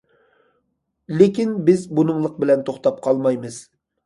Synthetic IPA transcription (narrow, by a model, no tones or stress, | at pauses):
lɪkʲinbɪzbunɨŋlˠəq̚bɪlɛnt̪ʰoχt̪ɑp̚qʰɑlˠmɑjmɨz̥